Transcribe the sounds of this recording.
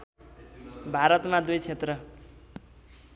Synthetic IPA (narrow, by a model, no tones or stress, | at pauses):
bʱaɾʌt̪mad̪ujt͡sʰet̪rʌ